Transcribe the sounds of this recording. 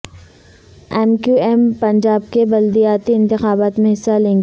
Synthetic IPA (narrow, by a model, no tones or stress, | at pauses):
ɛːmkjuɛːmpɐ̃ɲd͡ʒaːb̚kebɐld̪ijaːt̪iɪ̃nt̪ɪxaːbaːt̪mẽɦɪsːalẽːŋɡe